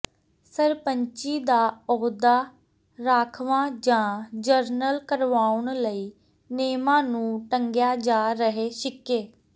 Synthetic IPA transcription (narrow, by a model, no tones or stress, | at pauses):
səɾpəɲt͡ʃiːd̪aːɔːd̪aː | ɾaːkʰʋãːd͡ʒãːd͡ʒəɾnəlkəɾʋaːʊɳləiː | neːmãːnũːʈəŋɡjaːd͡ʒaːɾəɦeːʃɪkːeː